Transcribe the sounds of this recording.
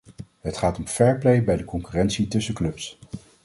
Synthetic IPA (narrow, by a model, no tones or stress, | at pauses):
ɦətχaːtɔmfɛɹplejbɛjdəkɔŋkyːrɛnsitɵsəklɵps